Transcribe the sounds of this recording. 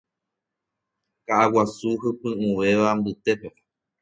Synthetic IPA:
kaʔawasuɦɨpɨ̃ũʋe̞ʋambɨt̪e̞pe

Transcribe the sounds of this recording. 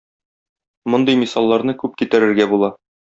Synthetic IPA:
mŏnd̪ɤjmisɑlˠːɑɾnɤkʉp̚kit̪æɾɘ̆ɾɡæbulˠɑ

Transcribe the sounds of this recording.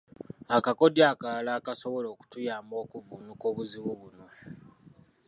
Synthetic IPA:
akakodjaːkalaːkaso̞βo̞lo̞ːku̥tujaːmbo̞ːkuvuːnuko̞ːβuziβuβuno̞

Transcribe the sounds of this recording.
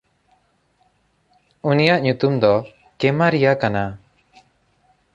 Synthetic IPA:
unijaʔɲut̪umd̪ɔ | kɛmaɾijakana

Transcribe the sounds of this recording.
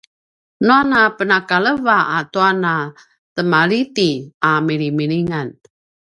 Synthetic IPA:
nuanapənakaləvaʔat̪uana | təmalit̪iamiɾimiɾiŋan

